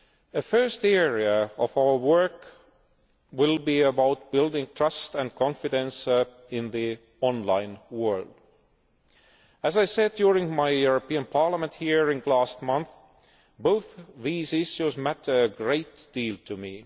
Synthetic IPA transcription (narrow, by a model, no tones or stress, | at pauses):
ɨfɜ˞stɛɹiɨʌvaʊə˞wɜ˞k | wɪlˠbiəbaʊt̚b̥ɪlˠdɪ̃ŋtʰɹ̥ʌstɨ̃nkʰɑ̃nfɨdɨ̃ns | ɪ̃nði | ɔ̃nlã̰ɪ̃nwɜ˞lˠd̥ | ɨzaɪsɛd̚djuɹɪ̃ŋmaɪjuɹəpĩə̃npʰɑɹləmə̃nthiɹɪ̃nlæst̚mʌ̃nθ | boʊθðizɪʃjuzmætʰːɡɹeɪtd̥iːlˠtʰɨmi